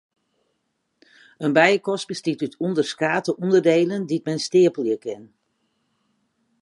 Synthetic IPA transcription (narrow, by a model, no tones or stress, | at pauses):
ənbɛjəkɔst̚bəstitytʰundərskaːtəʔundərdeːləndit̚mɛnstɪəpəljəkʰɪn